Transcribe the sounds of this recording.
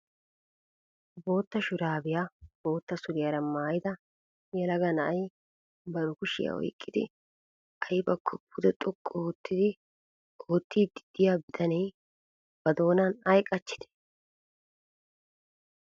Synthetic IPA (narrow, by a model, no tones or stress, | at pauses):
bo̞ːt̪ːɐʃʊɾaːbɪjab̥o̞ːt̪ːɐsʊɾɪjɐɾɐmaːjɪd̪ɐ | jɛlɐɡɐnɐʔɐj | bɐɾʊkʊʃɪ̰jɐ̰ɔ̰jkʼːɪd̪ɪ | ʔɐjbɐkʰːɔpʰːʊd̪ɛt̪ʼʊkʼːɔːt̪ːɪd̪ɪ | oːt̪ːiːd̪ɪ̥d̪̥ɪjaːbɪd̪ɐnɛj | b̥ɐd̪o̞ːnɐnɐjkʼːɐt͡ʃːɪ̥d̪ɛ̥